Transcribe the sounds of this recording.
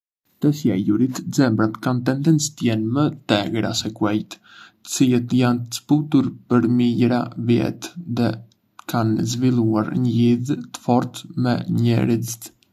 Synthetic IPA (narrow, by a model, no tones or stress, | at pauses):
t̪ɛsjɛ̰juɾit̪d͡zɛmbɾat̪kant̪ɛnd̪ɛnt͡st̪jɛnmət̪ɛɡɾa̰sɛkuɛjt̪ | t̪ə̥t͡silɛt̪jant̪ə̥sput̪uɾpəɾmiɟɾavjɛ̰t̪ðɛ | kʰanzvilˠuaɾɲəliðt̪ə̥fɔɾt̪mɛ̰ɲɛ̰ɾizit̪